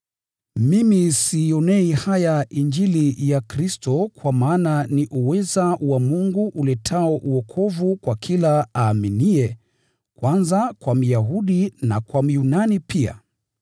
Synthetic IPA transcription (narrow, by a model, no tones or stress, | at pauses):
mimisiɔnɛihajaiɲd͡ʒilijakɾistɔkwamaːnaniʔuwɛzawamuŋɡuʔːlɛtʰaɔʔuɔkʰɔvukwakʰilaaːminiɛ | kwanzakwam̩jaɦuɗina̰kwam̩junanipʰia̰